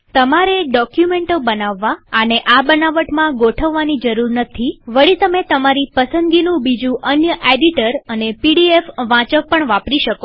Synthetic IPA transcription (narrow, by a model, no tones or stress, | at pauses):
t̪əmaɾeɖɔkjumeɳʈobənaʋːaəneʔabənaʋəʈmãɡoʈʰəʋːanid͡ʒəɾuɾnət̪ʰiʋəɭit̪əmet̪əmaɾipəsənd̪ɡinũbid͡ʒũʔənjəʔeɖiʈəɾənepiɽiefʋãt͡ʃək̚pəɳʋapɾiʃəko